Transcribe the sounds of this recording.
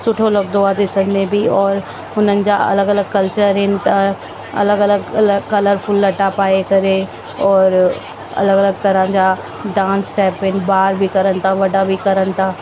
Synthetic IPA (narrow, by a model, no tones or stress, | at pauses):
sʊʈʰolɐbd̪oad̪ɪsənmẽbʱiɔːɾ | ʊnənɪ̆d͡ʑaɐ̰ləɡɐləɡ̚kɐlt͡ʃəɾɦɪnɪ̆t̪ʰa | ɐ̰ləɡɐləɡləkɐləɾfʰʊlːɐʈapaːekɐɾe | ɔːɾ | ɐ̰ləɡɐləɡ̚t̪ɐɾãd͡ʑa | ɖãːnsʈɛːpɦɪn̆baːɾbʱikɐɾənt̪ʰaʋɐɖabʱikɐɾənt̪ʰaː